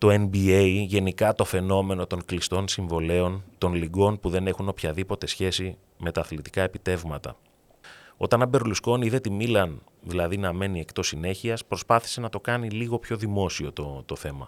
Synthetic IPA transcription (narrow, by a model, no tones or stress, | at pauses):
t̪o̞enbieiʝe̞nikɐt̪o̞fe̞no̞me̞no̞t̪o̞ŋklist̪o̞nsiɱvo̞le̞o̞nt̪o̞nliɡo̞npuðe̞ne̞xuno̞pçɐðipo̞t̪e̞sçe̞si | me̞t̪ɐːθlit̪i̥kɐe̞pit̪e̞vmɐt̪ɐ̰ | o̞t̪ɐnɐbe̞ɾolusko̞niiðe̞t̪imilɐnðilɐðinɐme̞nie̞kt̪o̞sine̞çiɐspɾo̞spɐθi̥se̞nɐt̪o̞kɐniliɣo̞pço̞ðimo̞sio̞t̪ot̪o̞θe̞mɐ